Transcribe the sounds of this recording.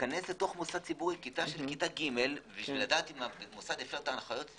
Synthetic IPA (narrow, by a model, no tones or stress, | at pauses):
kanesleto̞χmosad̪̚t͡sibuʁikitaʃe̞lkitaɡime̞lbiʃviladaːt̪imamosad̪efʃeʁt̪aːnχajo̞t̪